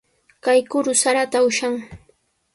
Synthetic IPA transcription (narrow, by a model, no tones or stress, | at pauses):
kajkʊɾʊsaɾat̪aʊʃaŋ